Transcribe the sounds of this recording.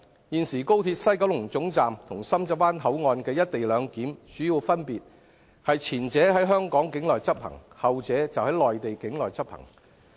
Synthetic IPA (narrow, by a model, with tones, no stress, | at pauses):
jiː˨nsiː˨˩ko˥wt̪ʰiː˧t̚sɐ˥jkɐ˨˥wlʊ˨˩ŋt͡sʊ˨˥ŋt͡saː˨mt̪ʰʊ˨˩ŋsɐ˥mt͡sɐ˥wpaː˥nɦɐ˨˥wŋɔː˧nkɛː˧jɐ˥t̚t̪e˨jlœː˨˧ŋkiː˨˥mt͡ʃyː˨˥jiː˨˧wfɐ˥npiː˨t̚ | hɐ˨jt͡sʰiː˨˩nt͡sɛː˨˥ɦɐ˨˥jɦœː˥ŋkɔː˨˥ŋkɪ˨˥ŋlɔː˨jt͡sɐ˥p̚hɐ̰˨˩ŋhɐ˨wt͡sɛː˨˥t͡sɐ˨whɐ˨˥jlɔː˨jt̪e˨jkɪ˨˥ŋlɔː˨jt͡sɐ˥p̚hɐ̰˨˩ŋ